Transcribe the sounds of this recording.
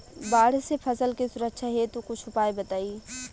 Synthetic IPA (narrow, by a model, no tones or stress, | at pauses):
baːɽ̤sepʰɐsəlkisʊɾəkʃʰaɦet̪ukʊt͡ʃʰʊpaːebɐt̪aːiː